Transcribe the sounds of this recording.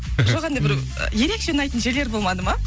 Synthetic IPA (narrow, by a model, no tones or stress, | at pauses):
ʒʒoʁɑnd̪ebɪɾ̰ | je̞ɾe̞kʃenɑjt̪ənʒe̞ɾleɾbo̞lˠmɑd̪əmɑ